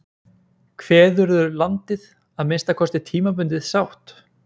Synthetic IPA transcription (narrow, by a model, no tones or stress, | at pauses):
kʰvɛːðʏɾðʏlant̪ɪð | aðmɪnst̪akʰɔst̪ɪt̪ʰiːmapʏnt̪ɪðsawht̪